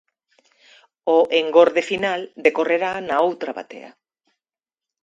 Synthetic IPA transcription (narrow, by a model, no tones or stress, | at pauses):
oʔeŋɡoɾðefinald̪ekoreɾanaowt̪ɾaβa̰t̪ḛɐ̰